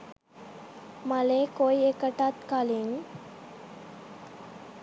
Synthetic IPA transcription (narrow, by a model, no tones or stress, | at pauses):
maleːkojekəʈat̪kaliŋ